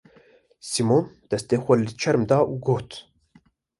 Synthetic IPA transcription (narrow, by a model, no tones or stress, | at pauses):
simomd̪̥ɛst̪eːxʷɐlɨt͡ʃʰɛɾmd̪ɑːʔuɡoːt̪